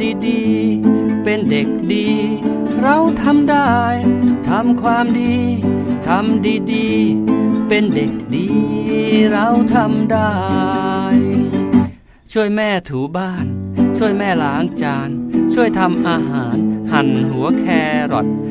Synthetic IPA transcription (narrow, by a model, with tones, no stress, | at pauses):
diː˧diː˧ | pe˧nde˨˩k̚diː˧ | ɾa˧wt̪ʰa˧˥mdaː˥˩jt̪ʰa˧mkʰwaː˧mdiː˧t̪ʰa˧˥mdiː˧diː˧ | pe˧nde˨˩k̚diː˧ | ɾa˧wt̪ʰa˧mdaː˥˩ | j | t͡ɕʰu˥˩əjmɛː˥˩t̪ʰuː˨˩˦baː˥˩nt͡ɕʰu˥˩əjmɛː˥˩laː˨˧˩ŋt͡ɕaː˧nt͡ɕʰu˥˩əjt̪ʰa˧mʔaː˧ɦaː˩˦nha˨˩nɦu˩˦ɐkʰɛː˧ɾɔ˨˩t̪̚